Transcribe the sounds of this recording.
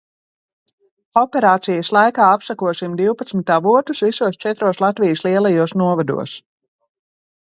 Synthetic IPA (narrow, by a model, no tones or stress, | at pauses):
ɔpɛɾaːt̪sijɐslˠajkaːapsakuɔsimd̪iwpat̪smit̪aːvut̪usvisuɔst͡ʃɛt̪ɾuɔslˠat̪vijəslˠiɛlˠajuɔsnuɔvad̪ṵɔs